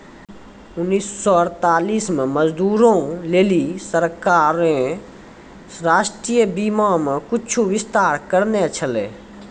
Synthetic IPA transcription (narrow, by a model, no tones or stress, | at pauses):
ʊnːiːsːɔəɾt̪aːliːsmeməd͡ʒd̪uːɾõleːlisəɾkaːɾẽ | ɾaːʃʈɾijəbiːmãmekʊt͡ʃʰuʋɪst̪aːɾkəɾnet͡ʃʰəleː